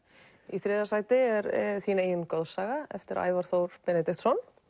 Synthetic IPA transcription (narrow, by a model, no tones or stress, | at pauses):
iθɾɛːðasaːjt̪ɪɛɾɛθiːnaeːjʏnkɔðsaːɣaɛ̰ft̪ɪɾa̰ːjvaɾ̥θowɾ̥pɛnɛt̪ɪt̪sɔn